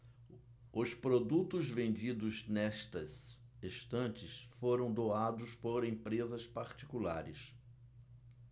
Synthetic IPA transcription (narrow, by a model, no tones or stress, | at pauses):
ʊspɾod̪ut̪ʊzvẽnd͡ʒid̪ʊznɛʃt̪ɐseʃt̪ɐ̃nt͡ʃɪsfoɾɐ̃w̃d̪oad̪ʊspoɾẽpɾezɐspaɾt͡ʃi̥kula̰ɾɪs